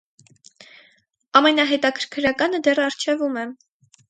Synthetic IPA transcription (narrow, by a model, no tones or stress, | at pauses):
ɑmɛnɑɦɛt̪ɑkʰəɾkʰɾɑkɑnəd̪ɛrɑɾt͡ʃʰɛvumɛ